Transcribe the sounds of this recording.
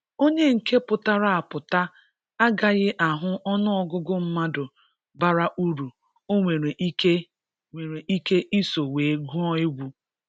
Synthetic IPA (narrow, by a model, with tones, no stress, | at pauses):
o˦ɲe˦ŋ̩˨kʰe˦pʊ˨ta˦ɾa˦a˨pʊ˨ta˦ | a˦ɡa˨ɣɪ˦ʔa˨ɦʊ˦ʔɔ˦nʊ˦ɔ˦ɡʊ˦ɡʊ˦m̩˦ma˦dʊ˨ | ba˦ɾa˦ʔu˦ɾu˨ | o˦ŋʷe˨ɾe˨ʔi˦ke˦ | ŋʷe˨ɾe˨ʔi˦ke˦ʔi˦so˨weː˨˦ɡu˦ɔ˦e˦ɡʷu˦